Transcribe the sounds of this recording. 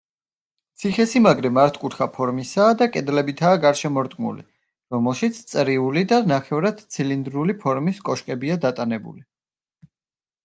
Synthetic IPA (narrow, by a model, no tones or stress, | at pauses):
t̪sʰiχɛsimaɡɾɛmaɾt̪ʰkʼut̪χapʰɔɾmisaːd̪akʼɛd̪lɛbit̪ʰaːɡaɾʃɛmɔɾt̪ʼkʼmṵlḭ | ɾɔmɛlˠʃit̪sʰt̪sʼɾiulid̪anaχɛvɾad̪̥̚t̪sʰilind̪ɾulipʰɔɾmiskʼɔʃkʼɛbiad̪at̪ʼanɛbṵli